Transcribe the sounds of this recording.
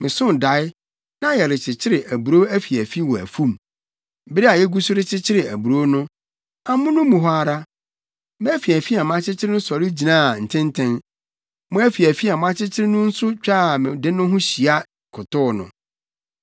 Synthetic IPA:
mɪ̃˨sʊ̃˦n˨da˨˦ɪ˦ | nã˦jɛ˨ɾɪ˨t͡ɕʰɪ˨t͡ɕʰɪ˦ɾɪ˨ʔæ˨bu˨ɾo˦æ˦fi˨æ˨fi˦wɔ˨æ̰˨fũ˦m˦ | bɪ˦ɾɪ˦a˨jɛ˦ɡu˦sʊ˦ɾɪ˦t͡ɕʰɪ˦t͡ɕʰɪ˦ɾɪ˨æ˨bu˨ɾo˦nʊ̃˦ | a˨mʊ̃˦nʊ̃˦mũ˨ɦɔ˦aa˨ɾa˦ | mɪ̃˦æ˦fi˨æ˨fi˦a˨mʊ̃˦a˦t͡ɕʰɪ˦t͡ɕʰɪ˦ɾɪ˦nʊ̃˦sɔ˨ɾɪ˦d͡ʑi˨nã˦˨n̩˨tʰɪ̃˦n˦tʰɛ̃˦n | mʊ̃˦æ˦fi˨æ˨fi˦a˨mʊ̃˦a˦t͡ɕʰɪ˦t͡ɕʰɪ˦ɾɪ˦nʊ̃˦n̩˦sʊ˦t͡ɕᶣa˦˨mɪ̃˨dɪ˦nʊ̃˦ɦʊ̃˦ɕi˨a˦ | kʰʊ˨tʊ˦˨nʊ̰̃˨

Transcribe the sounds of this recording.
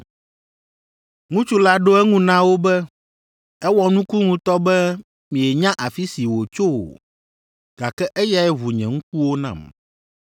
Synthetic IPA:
ŋũ˦t͡ʃu˦la˦ɖo˦ɛ˦ŋũ˦nã˦wo˦bɛ˦ | ɛ˦wɔ˦nũ˦ku˦ŋũ˦t̪ɔ˦bɛ˦ | mĩ˨ɛ˨ɲã˦ʔa˨fi˦si˨wo˨t͡ʃo˦wo̰˨ | ɡ̥a˨kɛ˦ʔɛ˦ja˨ɛ˦βu˨ɲɛ̰̃˨ŋũ˦k̚u˦wo˦nã̰˨m

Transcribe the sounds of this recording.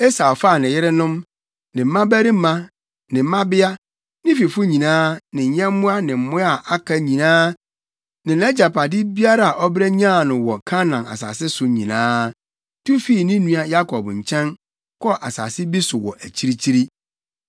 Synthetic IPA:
e˦sa˨fa˦˨nɪ̃˨jɪ˦ɾɪ˦nʊ̃˦m | nɪ̃˨m̩˦mã˦bæ˦ɾi˦m̩˦mã˦ | nɪ̃˨˦mã˦bɪ˦a˦ | nɪ̃˦fi˨fʊ˦ɲĩ˨nãː˦nɪ̃˨ɲ˨ɲɛ̃˦m˦mʊ̃˦a˦nɪ̃˨m̩˨mʊ̃˦a˨ʔa˦kʰa˦ɲĩ˨nãː˦ | nɪ̃˨nɛ˦d͡ʑa˨pʰa˨dɪ˦bi˦a˦ɾa˨a˨ʔɔ˦bɾɛ˦ɲ˦ã˦˨nʊ̃˨wɔ˨kʰã˦nã˨na̰˨sa̰ː˨sɪ˦sʊ˨ɲĩ˨nãː˦ | tʰu˦fi˦˨nɪ̃˦nũ˦a˨ja˦kʰɔ˨bɲ̩˨t͡ɕʰɛ̃˦n | kʰɔ˦ʔa̰˨sa̰ː˨sɪ˦bi˦sʊ˨wɔ̰˨ʔæ˨t͡ɕʰi˦ɾi˦t͡ɕʰi˦ɾi˦

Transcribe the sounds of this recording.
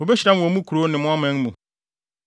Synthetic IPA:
o˨be˦ɕɾã˦˨o˨˦mũ˦kʰu˨ɾo˨˦nɪ̃˨mʊ̃˦a˦mɛ̃˦n˦mũ˨

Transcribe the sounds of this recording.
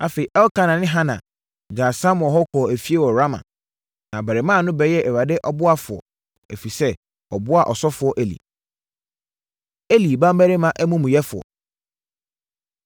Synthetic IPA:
a˨fe˨i˨ʔɛ˦wkʰã˦nã˨nɪ̃˦ɦã˦nã̰˨ | d͡ʑaː˨sã˦m̃˨ɔ̃˨ɦɔ˦kʰɔ˨æ˨fi˦e˦wɔ˨ɾa˦mã̰˨ | nã˨bæ˨ɾɪ˨mãː˦˨nʊ̃˦bɛ˨˦jɛ˦ʔɛ˨wa˨dɪ˦ʔɔ˦bʊ˦a˦fʊ˨ɔ̰˨ | æ˨fi˨sɛ˦ | ɔ˨bʊ˦a˨ʔɔ˨sɔ˦fʊ˨˦ɔ˦ʔe˨lḭ˨ | e˦li˨bã˦m˦bæ˦ɾe˦mã˨ʔæ˦mũ˦mũ˨jɛ˦fʊ˨ɔ̰˨

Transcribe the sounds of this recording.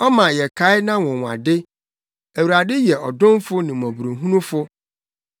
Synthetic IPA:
ɔ˦mã˨jɛ˨kʰa˨˦ɪ˦nã˦wʊ̃˨wa̰˨dɪ˦ | æ˨wu˨ɾa˨dɪ˦jɛ˨ɔ˨dʊ̃˦mfʊ˦nɪ̃˨m˨ɔ̃˨bu˨ɾõ˨ɦũ˦nũ˦fʊ˦

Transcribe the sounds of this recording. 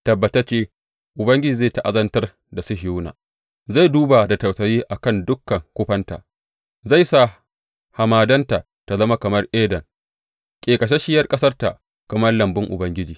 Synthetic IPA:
tɐ˨bːɐ˨tɐ˦t͡ʃeː˦ | ʔʊ˨bɐ˦ŋɡʲɪ˦d͡ʒiː˨zaː˦˨ta˨ʔa˨zɐ˦ntɐ˦r | da˨sʊ˦ɦɪ˨juː˦na̰ː˨ | za˦˨jduː˦ba˨da˨tɐ˨wsɐ˨jiː˦ʔa˨kɐ˦˨ndʊ˦kːɐ˨ŋkʷʊ˦ɸɐ˦nta̰˨ʔ | za˦˨jsa˦˨ | ha˨maː˨dɐ˦nta˨ʔ | ta˨zɐ˦ma˦kɐ˨mɐ˦rʔeː˦dɐ˨ŋ | kʲʼeː˨kʼɐ˨ʃe˦ʃɪ˦jɐ˦rkʼɐ˦sɐ˦rta˨ʔ | kɐ˨mɐ˦rlɐ˨mbɪ˦ŋʔʊ̰˨bɐ˦ŋɡʲɪ˦d͡ʒiː˨

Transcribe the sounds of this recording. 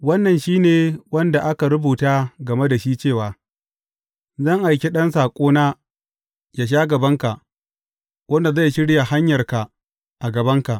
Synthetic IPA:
wɐ˦nːɐ˨nʃiː˦neː˨wɐ˦nda˨ʔa˦ka˨ɾʊ˦buː˨taː˦ɡɐ˨me˦da˨ʃiː˦t͡ʃeː˦˨waː˨ | zɐ˦˨ŋʔa˨jkʲe˦ɗɐ˦nsaː˨kʷʼoː˦naː˦ | jaː˨ʃ̬aː˦ɡɐ˨bɐ˦ŋka˨ʔ | wɐ˦nda˨za˦˨jʃɪ˦ɽja˨ha˦ɲjɐ˨rka˨ | ʔa˨ɡɐ˨bɐ˦ŋka˨ʔ

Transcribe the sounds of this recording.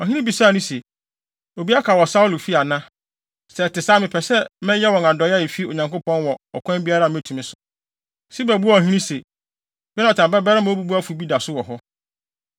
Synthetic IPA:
ɔ˨ɦĩ˦ĩ˦bi˨saː˦˨nʊ̃˦se˨ | o˨bi˦a˦kʰa˨wɔ˨sa˦ʊ˦lʊ˨fi˦a˨nã˦ | sɛ˨tɪ˨saː˦mɪ̃˨pʰɛ˨sɛ˦mɛ̃˦jɛ˦wɔ̃˨ŋã˨dɔ˨˦ja˦jɛ˨fi˦o˨ɲã˨ŋkʊ˦pʰɔ̃˦nwɔ˨ɔ̰˨kʷʰã˦mbi˦a˦ɾa˨m˦ɛ˦˨tʰũ˨mɪ̃˦sʊ˨ | si˦bæ˨bu˦ɔ˦˨ɦĩ˦ĩ˦se˨ | jɛ˦nã˨tʰã˨bɛ˦bɛ˦ɾɪ˦mã˨˦o˦bu˦bu˦a˦fu˨bi˦da˨sʊ˦wɔ˨ɦɔ˦

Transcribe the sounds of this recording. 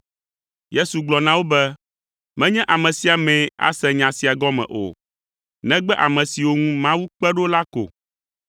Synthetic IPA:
je˦su˨ɡ͡blɔ˨nã˦wo˦bɛ˦ | mɛ̃˦ɲɛ̃˦ʔa˨mɛ̃˨si˨a˨mɛ̃˨a̰˦sɛ̃˨ɲã˨si˨a˨ɡɔ˦mɛ̰̃˨ʔo̰˨ | nɛ̃˦ɡ͡bɛ˦ʔa˨mɛ̃˨si˨wo˦ŋũ˦mã˦wu˦k͡pɛ˦ɖo˦la˦ko̰˨

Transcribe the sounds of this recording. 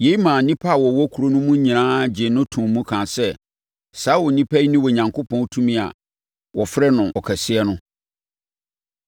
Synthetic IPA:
je˨˦i˦mãː˨nĩ˦pʰa˦a˨wɔ˨wɔ˦kʰu˨ɾo˦nʊ̃˦mũ˦ɲĩ˨ãː˦d͡ʑɪ˨nʊ̃˦tʰũ˨m˨mũ˦kʰã˨sɛ˦ | sa˦wʊ˨nĩ˦pʰæ˦i˦nĩ˦wɔ˨ɲã˨ŋkʰo˦pʰɔ̃˦n˦tʰũ˦mĩ˦a̰˨ | wɔ˨fɾɛ˦nʊ̃˨ʔɔ˨kʰɛ˨sɪ˦ɛ˦nʊ̃˦

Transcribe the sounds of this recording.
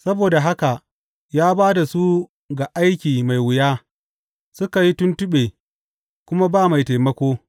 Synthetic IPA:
sɐ˦boː˨da˨ɦa˦ka˨ʔ | jaː˦baː˦da˨su˦ | ɡa˨ʔa˦jkʲiː˨ma˨jwʊ˨jaː˦ | sʊ˦ka˨ji˦tʊ˦ntʊ˦ɓeː˨ | kʷʊ˦ma˦baː˦˨ma˨jta˨jmɐ˦kʷoː˦

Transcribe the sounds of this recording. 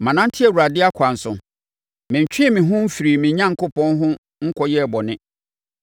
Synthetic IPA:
mã˨nã˦n̩˦tʰɪ˦ɛ˨wu˨ɾa˨dɪ˦a˦kʰa˨n̩˨sʊ̰̃˨ | mɪ̃˨ɲ̩˨t͡ɕᶣɪ˦ɛ˦˨mɪ̃˨ɦʊ̃˦m̩˦fi˨ɾi˨mɪ̃˨ɲã˦ŋ̩˨kʊ˦pɔ̃˦nɦʊ̃˦ | ŋ̩˦kʰɔ˨jɛ˦˨bɔ˨nɪ̃˦

